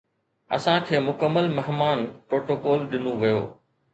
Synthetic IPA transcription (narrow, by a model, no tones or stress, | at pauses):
ɐ̰sãkʰeːmʊkəmːəlmɛɦmaːnpɾoːʈoːkɔːlɗɪnõʋɐjo̰ː